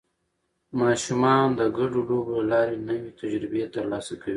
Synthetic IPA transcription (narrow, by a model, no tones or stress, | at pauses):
mɑʃumɑnd̪əɡaɖoloblalɑɾenəwet̪ad͡ʒɾɪbet̪əɾlɑsakawi